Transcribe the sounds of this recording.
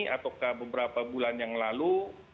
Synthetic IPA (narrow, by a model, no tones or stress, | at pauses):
at̪awkahbəbəɾapabulanjaŋlalu